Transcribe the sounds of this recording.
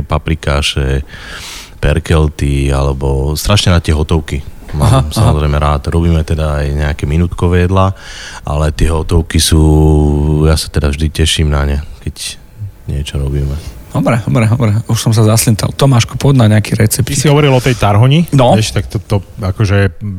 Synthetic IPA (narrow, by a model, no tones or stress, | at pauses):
ɛpapɾikaːʃɛ | pɛɾkɛlt̪ia̰lɛbɔst̪ɾaʃɲɛnat̪ɪɛɦɔt̪ɔʊkimaːmsamɔzɾɛjmɛɾaːt̪ɾɔbiːmɛt̪ɛd̪aːjɲɛakɛminuːt̪kɔʋɛjɛd̪laːʔalɛt̪ɪɛɦɔt̪ɔʊkisuː | jasḁt̪ɛd̪avʒd̪icɛʃiːmnaɲakɛc | ɲɪɛt͡ʃɔɾɔbiːmɛd̪̥ɔbɾɛd̪ɔbɾɛd̪ɔbɾɛuʃsɔms̬azaslint̪a̰lt̪ɔmaːʃkupɔd̪naɲɛakiɾɛt͡sɛpt̪isiɦɔʋɔɾilɔt̪ɛjt̪aɾɦɔɲinɔɛʃt̪akt̪ɔt̪ɔakɔʒɛɛ